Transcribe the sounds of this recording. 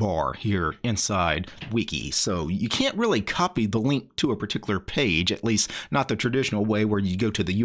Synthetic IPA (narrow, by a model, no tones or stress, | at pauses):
bɑ̰ɹhiɹɨ̃nsaɪd̚wikḭsoʊjɨkʰæ̃nʔ̚ɹɪlˠikʰɑpiðəlɪ̃ŋk̚tʰəəpʰə˞tʰɪkjl̩ˠə˞pʰeɪd͡ʒɨ̰ʔˡlistnət̪̚ðɨtʰɹ̥ɨdɪʃn̩l̩ˠweɪwə˞jɨɡoʊɾɨðɨj